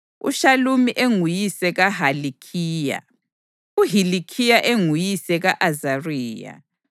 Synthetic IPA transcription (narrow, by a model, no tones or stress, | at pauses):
ṵʃalumiʔeŋujisɛɣaɦalikʰiːja̰ | uɦilikʰijaʔeŋujisɛɣaʔazariːja̰